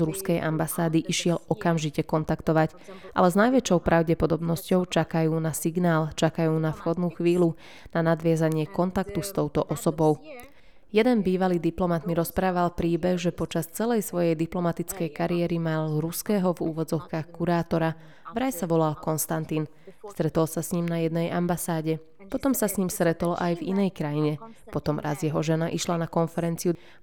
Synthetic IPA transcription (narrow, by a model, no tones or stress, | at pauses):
zɾuskɛjʔa̰mbasaːd̪iʔiʃɪɛlɔkamʒicɛkɔnt̪akt̪ɔʋac | ʔa̰lɛznajʋɛt͡ʃɔʊpɾʔaʊɟɛpɔd̪ɔbnɔscɔʊt͡ʃakajuːnasiɡnaːlt͡ʃakajuːnafxɔd̪nuːxʋiːlu | nanad̪ʋɪazaɲɪɛkɔnt̪akt̪ust̪ɔʊt̪ɔʔɔsɔbɔʊ | jɛd̪ɛnbiːʋaliːd̪iplɔmat̪miɾɔspɾaːʋalpɾiːbɛɣʒɛpɔt͡ʃast͡sɛlɛjsʋɔjɛjd̪iplɔmat̪it͡skɛjkaɾiɛɾimalɾuskɛːɦɔvṵːʋɔd͡zɔʊkaːxkuɾaːt̪ɔɾa | ʋɾajsaʋɔlalkɔnst̪ant̪iːn | st̪ɾɛt̪ɔlsasɲimnajɛd̪nɛjʔambasaːɟɛ | pɔt̪ɔmsasɲimst̪ɾɛt̪ɔlʔajvinɛjkɾajiɲɛpɔt̪ɔmɾʔa̰zjɛɦɔʒɛnaʔiʃlanakɔnfɛɾɛnt͡siu